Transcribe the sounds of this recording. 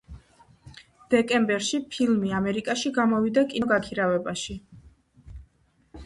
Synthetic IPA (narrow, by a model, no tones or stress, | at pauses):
d̪̥ɛkʼɛmbɛɾʃipʰilˠmiamɛɾikʼaʃiɡamɔvid̪akʼiɡakʰiɾavɛbaʃi